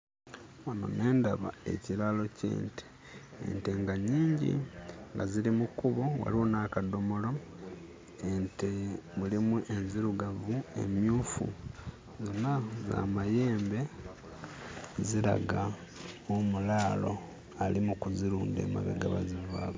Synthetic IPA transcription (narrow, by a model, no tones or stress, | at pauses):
wono̞̰ne̞ːndaβae̞̰ciɾalo̞cḛːnte̥ | ḛnte̞ŋɡaɲiːɲɟḭŋɡaziɾimukuβo̞wa̰liwonaːkado̞mo̞lo̞ | entemulimuʔe̞nziɾuɡavue̞̰mjuːfṵ | zo̞nːaza̰maje̞ːmbe̞ | ziɾa̰ɡa | omulaːlo̞̰ | alimukuziɾuːnde̞̰ːma̰ɡa̰ɡa̰βa̰ziva̰ːβo